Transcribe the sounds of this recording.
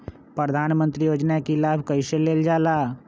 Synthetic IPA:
pɾəd̪ʱaːnmə̃nt̪ɾijoːd͡ʒnakilaːbʱkəɪseleːld͡ʒaːlaː

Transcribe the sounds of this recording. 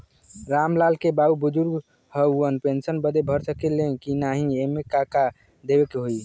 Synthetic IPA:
ɾamlalkebaubud͡ʒuɾɡ | həuənpensənbəd̪ebʱəɾsəkelekinaɦĩemekaka | d̪ebekeɦoj

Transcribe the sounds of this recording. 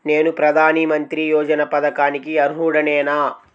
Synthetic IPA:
ne̞ːnupɾɐd̪ʱaːnimɐnt̪ɾijɔːd͡ʒɐnɐpɐd̪ɐkaːnikiɐɾuɦuːɽɐnɛːnaː

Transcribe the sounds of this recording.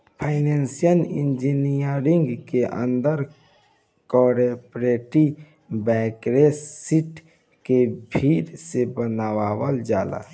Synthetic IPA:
pʰaːɪnensijəlḭnd͡ʒinijəɾɪ̃ŋɡkeʔə̰̃nd̪əɾ | kɔːɾepɾeʈi | bɛːkɾesiʈ | kebʱiɾsebənaːwaːwəld͡ʒaːla̰

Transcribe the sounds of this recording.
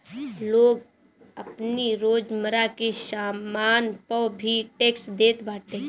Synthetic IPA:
loːɡ | əpniɾoːd͡ʒməɾakesaːmaːnpəwbʱiʈeːksd̪eːt̪baːʈ̪ẽː

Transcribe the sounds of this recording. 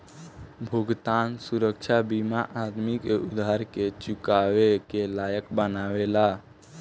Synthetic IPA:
bʱuɡt̪ansuɾəkt͡ʃʰabimaʔad̪mikeʔud̪ʱaɾket͡ʃukawekelajəkbənawela

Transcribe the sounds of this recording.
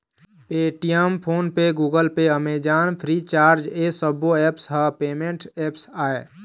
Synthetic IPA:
peʈijəmpʰoːnpeɡuːɡəlpeəmed͡ʒanpʰɾit͡ʃaːɾd͡ʒesəboepsɦəpeːmeɳʈepsaːe

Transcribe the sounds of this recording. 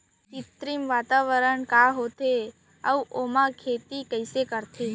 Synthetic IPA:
kɪt̪ɾimʋaːt̪aːʋəɾəɳkaːɦoːt̪ʰe | əuʔoːmãkʰeːt̪ikəɪsekəɾt̪ʰe

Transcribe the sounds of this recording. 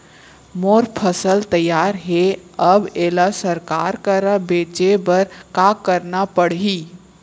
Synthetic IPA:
moːɾpʰəsəlt̪əjaːɾɦɛəbeːlasəɾkaːɾkəɾəbeːt͡ʃebəɾkakəɾnapəɽɦiː

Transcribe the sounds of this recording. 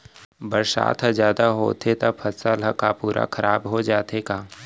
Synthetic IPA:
bəɾsa̰ːt̪ʰɦəzjaːd̪aɦo̰ːt̪ʰet̪apʰɐt̪saləkapuːɾʔa̰kʰɐɾʔaːbɦod͡ʒaːt̪ekaː

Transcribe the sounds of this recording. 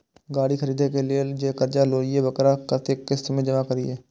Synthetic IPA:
ɡaːɽiːkʰəɾiːd̪ekelɪed͡ʒeːkəɾd͡ʒaːloːɾijebəkɾakət̪ekːɪst̪mẽːd͡ʒəmakəɾieː

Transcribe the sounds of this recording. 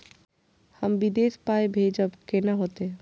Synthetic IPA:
həmʋid̪eːspaːebʱeːd͡ʒəbkenaɦoːt̪e

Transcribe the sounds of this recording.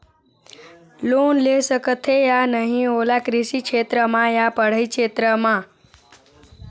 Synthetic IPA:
lonlesəkət̪ʰejanəɦĩɦolakɾɪʃikʃʰet̪ɾəmãjapəɽ̤əjkʃʰeːt̪ɾəmã

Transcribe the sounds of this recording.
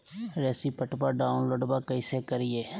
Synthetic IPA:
ɾɛːsiːpəʈpaːɖaːʊnloːɖbaːkəiseːkəɾɪeː

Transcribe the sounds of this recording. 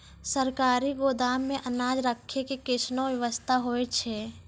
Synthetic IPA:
səɾkaːɾiɡoːd̪aːmːẽʔənaːd͡ʒɾəkʰːekikɪʃnõʋjəʋəst̪ʰaɦoːet͡ʃʰeː

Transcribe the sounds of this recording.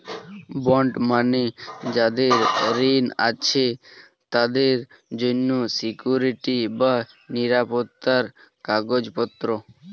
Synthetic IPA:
bɔɳɖmaned͡ʑad̪eɾɾina̰t͡ɕʰe | t̪ad̪eɾ | d͡ʑonːosikjuɾiʈiba | niɾapot̪ːaɾ | kaɡod͡ʑpɔt̪ːɾo

